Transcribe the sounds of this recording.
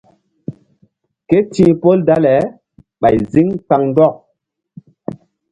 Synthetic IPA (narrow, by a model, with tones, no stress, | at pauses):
ke˦tĩ˨˦po˦lda˦lɛ˨˦ | ɓa˨jzi˦ŋka˨ŋndɔ˦˨